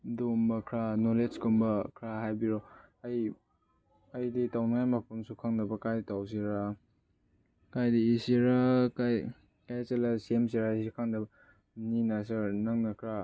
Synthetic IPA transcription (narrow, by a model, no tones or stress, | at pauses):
dombɐkʰɾanoleskumbɐkʰɾaɦajbiɾɔɐj | ɐjditawnŋajmapʰumsukʰaŋdɐbɐkajditaws̬iɾa | kajdiːsiɾakaj | kajt͡ʃelasems̬iɾasikʰaŋdɐbɐ | ninas̬ɐɾnaŋnɐkʰɾa